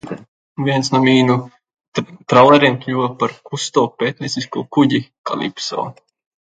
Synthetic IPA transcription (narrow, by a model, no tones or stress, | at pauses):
vʲiɛnsnamiːnu | t̪ɾalˠɛɾɛnt̪ʲʎʲuɔpaɾkust̪ɔːpeːt̪nʲesiskuːkuɟika̰lʲˠḭpsɔ̰ː